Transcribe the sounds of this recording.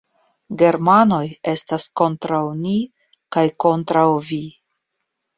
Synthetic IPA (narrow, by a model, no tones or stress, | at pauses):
ɡe̞ɾmano̞je̞stasko̞ntɾawni | kajko̞ntɾawvi